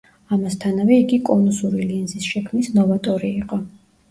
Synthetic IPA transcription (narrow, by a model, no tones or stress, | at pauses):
amast̪ʰanavɛiɡikʼɔnusuɾilinzisʃɛkʰmnisnɔvat̪ʼɔɾiːqʼɔ